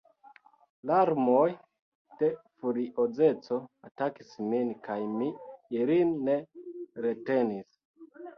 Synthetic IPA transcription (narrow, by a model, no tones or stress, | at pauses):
laɾmoj | d̥e̞fuɾiʔod͡ze̞t͡so̞atakisminkajmiːlinːe̞ɾe̞te̞nis